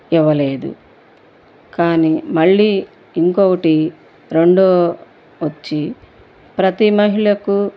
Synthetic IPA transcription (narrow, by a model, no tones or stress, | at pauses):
iʋɐle̞ːd̪ṵ | kaːnimɐɭːiː | ŋkoːkɐʈi | ɾe̞ɳɖoː | ʋɐt͡ʃːi | pɾɐt̪imɐɦiɭɐku